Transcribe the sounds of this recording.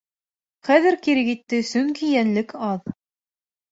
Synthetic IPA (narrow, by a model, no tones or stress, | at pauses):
χæðɘɾkiɾɘkit̪ːɘsɵŋkijænlɘkʰɑð